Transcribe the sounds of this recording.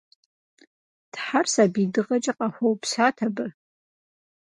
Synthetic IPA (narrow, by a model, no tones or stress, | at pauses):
d̥ħarsabidɨʁɐt͡ʃʼaqʼaħʷowpsaːtʰabɨ